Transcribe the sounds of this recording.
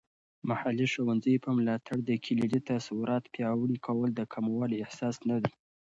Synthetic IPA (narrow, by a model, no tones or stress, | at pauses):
mahaliʃowanzəjpəmlɑt̪ʰaɽd̪əkʰiliɖit̪asawuɾɑt̪pjɑwɽikʰawəld̪əkʰamawɑliɪhsɑsnad̪i